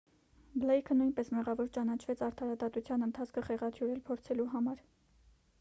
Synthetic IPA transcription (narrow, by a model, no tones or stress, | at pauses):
blɛjkʰənujnpɛsmɛʁɑvɔɾt͡ʃɑnɑt͡ʃʰvɛt͡sʰɑɾt̪ʰɑɾɑd̪ɑt̪ut͡sʰjɑnənt̪ʰɑt͡sʰkʰəχɛʁɑt̪ʰjuɾɛlpʰɔɾt͡sʰɛluɦɑmɑɾ